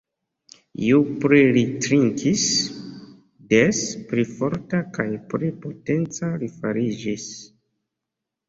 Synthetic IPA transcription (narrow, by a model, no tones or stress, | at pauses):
ḭupɾilitɾiŋkʰis | despɾifoɾtakajpɾipote̞nt͡salifaɾid͡ʒis